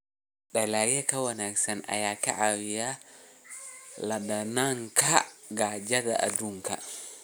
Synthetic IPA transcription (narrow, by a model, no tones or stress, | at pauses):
ɗalaɡɛkawanaksana̰jaka̰ʔawija | ladanaŋkaɡad͡ʒada̰ʔa̰duŋka̰